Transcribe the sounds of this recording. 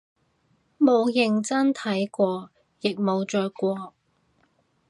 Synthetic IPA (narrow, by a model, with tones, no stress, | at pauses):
mo˨˧wjɪ˨˧ŋt͡sɐ˥nt̪ʰɐ˨˥jkʷɔː˧ | jɪ˨k̚mo˨˧wt͡ʃœː˨˧jkʷɔː˧